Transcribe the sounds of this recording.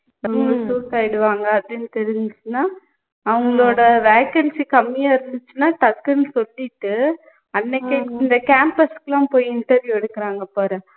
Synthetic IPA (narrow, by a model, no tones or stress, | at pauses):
ɐʋɐŋɡɐɭɐsuːʈaːjɪɽɯʋaːŋɡɐːpðɪnːɯt̪ɛɾɪɲd͡ʒɯt͡ʃːɯnːaː | ɐʋɐŋɡɐɭoːɽɐʋeːkɐnsikɐmːɪjaːɪɾɯnd̪ɯt͡ʃːɯnːaːʈɐkːɯnɯsɔlːɪʈːɯ | ɐnːɛkːeɪnd̪ɐkaːmpɐskɐlãːpoːjiɪɳʈɐɾʋjuːɛɽɯkːɪɾaːŋɡɐpoːɾɛ̃